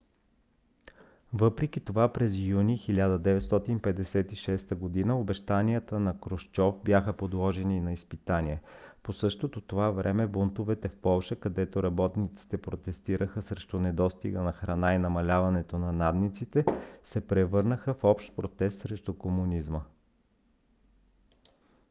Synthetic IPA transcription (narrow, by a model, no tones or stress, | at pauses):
vɤpɾɛk̟it̪ovapɾɛzjunixilʲad̪əd̪ɛvɛt̪st̪ɔt̪inpɛd̪ɛsɛt̪iʃɛst̪əɡod̪inəobɛʃt̪anijət̪ənɐkɾoʃt͡ʃɔfbjaxəpod̪lˠɔʒɛninɐispit̪aniɛposɤʃt̪ot̪ot̪ovavɾɛmɛbont̪ovɛt̪ɛfpɔlˠʃəkɐd̪ɛt̪oɾɐbɔt̪nit̪si̥t̪ɛpɾot̪ɛst̪iɾəxəsɾɛʃt̪ʊnɛd̪ɔst̪ḭɡənɐxɾɐnainɐmɐlʲavɐnɛt̪onɐnad̪nit̪sit̪ɛsɛpɾɛvɤɾnəxəfɔpʃt̪̚pɾot̪ɛst̪sɾɛʃt̪ʊkomunizmə